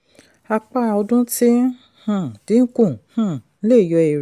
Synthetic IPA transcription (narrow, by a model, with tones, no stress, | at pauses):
a˧k͡pa˦˨ɔ˧dũ˦tĩ˦ | hã˦˨dĩ˨˦n̩˦kũ˦˨hã˦˨˦le˦˨jɔ˧e˨ɾ